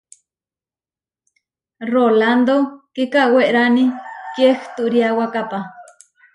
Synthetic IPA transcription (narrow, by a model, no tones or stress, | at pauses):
roland̪okikaʔweʔɾanikjext̪uʔɾiawakapa